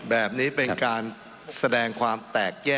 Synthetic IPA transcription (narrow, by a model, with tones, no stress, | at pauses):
bɛː˨˩p̚niː˦˥pe˧nkaː˧n | sa˧dɛː˧ŋkʰwaː˧mt̪ɛː˨˩k̚jɛː˥˩